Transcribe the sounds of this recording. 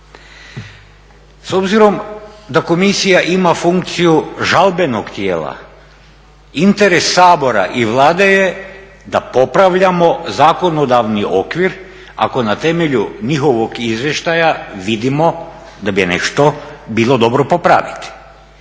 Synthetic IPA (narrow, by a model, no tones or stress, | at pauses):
so̞bziɾo̞md̪ako̞misijaʔimafuŋk̚t̪sijuʒalbe̞nokt̪jḛːlˠa̰ | int̪eɾesːaːbo̞ɾa̰ʔiʋlˠaːd̪e̞je̞ | d̪apo̞pɾaʋʎamo̞zaːko̞no̞d̪aʋniʔo̞̰kʋiɾ | a̰ko̞nat̪e̞me̞ʎuɲixo̞ʋoɡizʋjeʃt̪ajaʋid̪imo̞ | d̪abinḛʃt̪obilˠo̞d̪o̞bɾopo̞pɾa̰ʋit̪i̥